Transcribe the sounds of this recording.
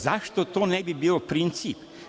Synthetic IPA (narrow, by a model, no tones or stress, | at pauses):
zaʃt̪ot̪oːnebibiːopɾint̪sip